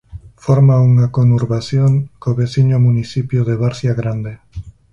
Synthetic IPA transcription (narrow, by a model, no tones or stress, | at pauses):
foɾmauŋakonuɾβaθjoŋkoβeθiɲomuniθipjoðeβaɾθjaɣɾand̪e